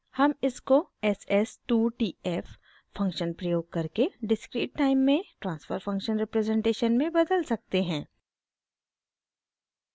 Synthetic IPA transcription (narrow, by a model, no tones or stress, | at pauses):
hɐmɪskoɛsɛsʈuːʈiːɛf | fɐ̃ŋkʃənpɾɐjoːɡ̚kɐɾkeɖɪskɾiːʈ̚ːaːɪmːẽʈɾãːnsfəɾfɐ̃ŋkʃənɾɪpɾɛzɛ̃ːɳʈeːʃənmẽbɐd̪əlsɐk̚t̪eɦɛ̃ː